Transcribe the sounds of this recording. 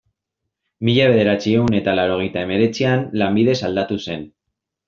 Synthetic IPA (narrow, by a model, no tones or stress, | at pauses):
miʎaβ̞e̞ðe̞ɾat͡sie̞une̞t̪alawɾo̞ɣ̞e̞jt̪ae̞me̞ɾe̞t͡sianlambiðe̞sald̪at̪use̞n